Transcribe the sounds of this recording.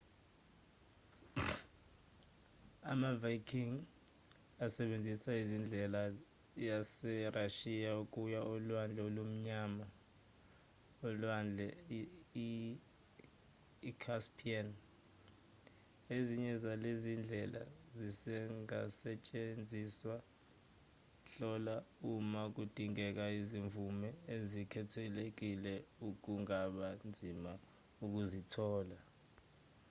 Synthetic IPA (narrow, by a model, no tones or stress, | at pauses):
a̰mavakʰiŋ | asɛɓend͡zʱisaizind͡ɮʱɛla | jasɛrʔaʃijaukʼujaɔlwand͡ɮʱɛolum̩ɲama | ɔlwand͡ɮʱɛ | i | kʰaspʰian | eziɲɛzalezind͡ɮʱɛlʔa̰zisɛŋa̰sɛt͡ʃʼend͡zʱiswa | ɬɔlaumak̬ud̥ʱiŋɛk̬aiziɱvumɛezikʰɛtʰɛlek̬ilɛuk̬uŋaɓand͡zʱima | uk̬uzitʰɔːla